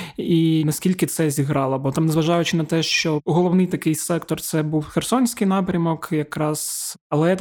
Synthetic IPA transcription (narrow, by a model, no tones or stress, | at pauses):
inɐsʲkʲilʲkɪt̪sɛzʲiɦɾɑlˠɔbɔt̪ɑmnzʋɐʒɑjʊt͡ʃɪnɐt̪ɛʃt͡ʃɔɦɔlˠɔwnɪjt̪ɐkɪjsɛkt̪ɔrt̪sɛbuwxersɔnʲsʲkɪjnɑpɾʲɐmɔkjɐkɾɑz̥ɐlˠɛ